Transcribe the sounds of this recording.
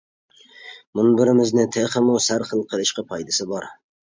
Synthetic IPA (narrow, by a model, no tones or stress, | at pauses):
mʊnbɪɾɪmɪznɪt̪ʰeχɪmʊsaɾχɨlˠqʰɨlˠɪʃqɑpʰɒjd̪asɪbɒɾ